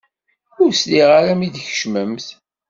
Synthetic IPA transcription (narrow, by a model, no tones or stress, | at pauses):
ʊɾsliʁaɾæmid̪çə̥ʃməmθ